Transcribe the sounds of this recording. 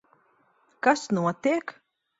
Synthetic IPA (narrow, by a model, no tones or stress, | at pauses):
kasnuɔt̪eːk